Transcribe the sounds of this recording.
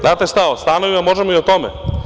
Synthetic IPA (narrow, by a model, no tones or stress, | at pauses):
aːt̪est̪aost̪anoʋimamoʒemoiot̪ome